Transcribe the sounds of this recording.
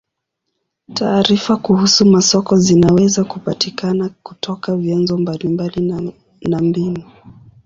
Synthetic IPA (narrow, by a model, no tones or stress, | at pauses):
tʰaːɾifakuhusumasɔkɔzinawɛzakupatikanaku̥tʰɔkavjanzɔmbalimbali | nambinu